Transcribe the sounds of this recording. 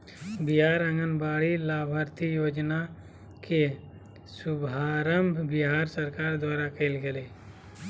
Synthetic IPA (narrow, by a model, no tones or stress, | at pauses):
biɦaːɾə̃ŋɡənbaːɽilaːbʱaɾt̪ʰijoːd͡ʒna | ke | sʊbʱaːɾəmbʱbɪɦaːɾsəɾkaːɾd̪waːɾakəɪlɡeleː